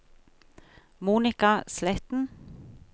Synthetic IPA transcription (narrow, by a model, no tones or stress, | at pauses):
muːnɪkɑslɛt̪n̩